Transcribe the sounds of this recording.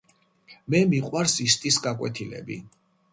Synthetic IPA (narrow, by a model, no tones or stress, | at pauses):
mɛmiqʼwaɾsist̪ʼisɡakʼwɛt̪ʰilɛ̰bḭ